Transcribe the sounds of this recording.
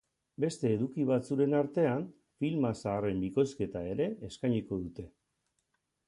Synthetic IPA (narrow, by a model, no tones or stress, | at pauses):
be̞st̪e̞ːðukiβ̞at͡suɾe̞naɾt̪e̞an | filmasaːre̞mbiko̞ske̞t̪ae̞ɾe̞ːskajɲiko̞ðut̪e̞